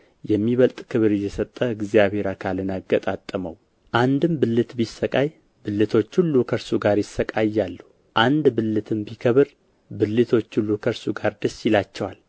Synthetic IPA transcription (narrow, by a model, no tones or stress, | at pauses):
jɛmːiβəlt̪ʼkʰɨβɨɾɨjːɛsət̪ʼːəɨɡzijaβhe̞ɾakʰalɨnaɡət̪ʼat̪ʼːəməw | ʔand̪ɨmbɨlːɨt̪bisːəkʼaj | bɨlːɨt̪ʰo̞t͡ʃːhulːukʰəɾsuɡaɾjɪsːəkʼajːalːu | ʔand̪bɨlːɨt̪ʰɨmbikʰəβɨɾ | bɨlːɨt̪ʰo̞t͡ʃːhulːukʰəɾsuɡaɾd̪əsːjɪlat͡ʃːɛwal